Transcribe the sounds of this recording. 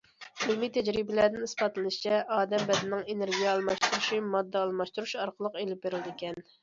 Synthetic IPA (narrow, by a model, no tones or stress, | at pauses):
ylmit̪ʰɛd͡ʒɾibɪlæd̪ɪnispɑt̪lɨlˠɨʃi̥t͡ʃʰɛʔɑːd̪ɛmbɛd̪ɪnɪŋeneɾɡʲijɛɑlˠmɑʃt̪uɾuʃimɑd̪ːɑɑlˠmɑʃt̪uɾuʃɑɾqʰəlˠəqelɪp̚beɾɪld̪ɪekʲɛn